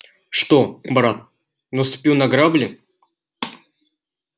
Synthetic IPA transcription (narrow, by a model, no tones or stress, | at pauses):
ʂt̪obɾat̪̚ | nəst̪ʊ̥pʲunɐɡɾablʲɪ